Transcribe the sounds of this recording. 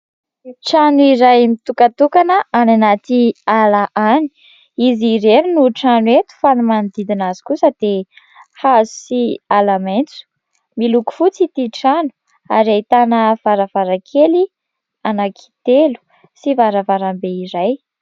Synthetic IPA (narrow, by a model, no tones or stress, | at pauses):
ʈ͡ʂanuiɾajmit̪ukat̪ukanəananat̪ialaʔani̥ | iziɾeɾinuʈ͡ʂanuet̪u̥fanumand̪id̪inazi̥kusəd̪̥e | hazu̥sialament͡su̥ | miluku̥fut͡sit̪iʈ͡ʂanu̥ | aɾajt̪anəv̥aɾavaɾakʰeli | anakʰi̥t̪elu̥ | sivaɾavaɾambeiɾaj